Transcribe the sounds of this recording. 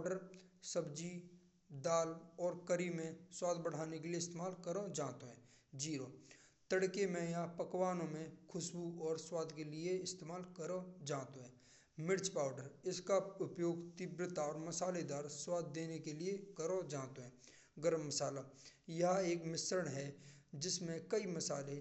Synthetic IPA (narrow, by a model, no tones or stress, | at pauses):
aɖəɾsəbd͡ʒi | d̪aːlɔːɾkəɾimẽswaːd̪ʱbəɽ̤aːnekelieɪst̪eːmaːlkəɾõd͡ʒãːt̪oɦɛ̃ːd͡ʒiːɾoː | t̪əɽkemẽjapəkwaːnõmẽkʰʊsbuɔːɾswaːd̪ʱkelɪeɪst̪eːmaːlkəɾõd͡ʒãːt̪oɦɛ̃ | mɪɾt͡ʃpaːʊɖəɾɪskaʊpjoːɡt̪ɪbɾət̪aɔːɾmɐsaːled̪aːɾswaːd̪ʱːeːnekeliekəɾõd͡ʒãːt̪oɦɛ̃ː | ɡəɾəmːɐsaːlajɐɦeːkmɪsɾəɳɦɛd͡ʒɪsmẽkəimɐsaːle